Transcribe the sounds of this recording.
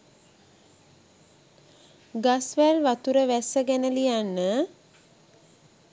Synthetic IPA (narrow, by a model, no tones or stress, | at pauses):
ɡasʋælʋat̪uɾəʋæsəɡænəlijanːə